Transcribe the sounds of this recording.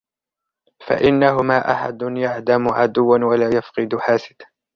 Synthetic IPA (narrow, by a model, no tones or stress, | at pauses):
fa̰ʔɪnːaɦʊmaːʔaħa̰d̪ʊnjaʕd̪amʊʕad̪ʊwːanwalaːjafqɨd̪ʊħaːsɪd̪